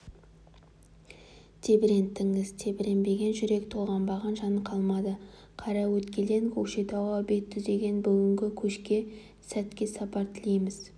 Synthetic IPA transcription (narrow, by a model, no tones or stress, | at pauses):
t̪ʰe̞bɪɾe̞nt̪ʰːɪŋɪzt̪ʰe̞bɪɾe̞nbe̞ɡʲe̞nʒʏɾe̞kt̪ʰo̞lˠʁɑnbɑʁɑnʒɑnqʰɑlˠmɑd̪ə | qʰɑɾɑwɵt̪kʲe̞le̞ŋkʲʰɵkʃejt̪ʰɑwɑbe̞t̪ʰːʏzd̪e̞ɡʲe̞nbʏɡʲɪŋɡʲɪkʲʰɵʃkʲe̞ | sæt̪kʲe̞sɑpɑɾt̪ʰɪlejmɪz̥